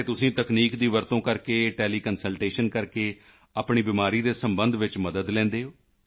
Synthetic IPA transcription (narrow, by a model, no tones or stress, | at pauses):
eːt̪ʊsĩːt̪əkniːkd̪iːʋəɾt̪õːkəɾkeːʈɛːliːkənsəlʈeːʃənkəɾkeː | aːpɳiːbɪmaːɾiːd̪eːsəmbə̃nd̪ʋɪt͡ʃməd̪əd̪lɛ̃ːnd̪eːɦoː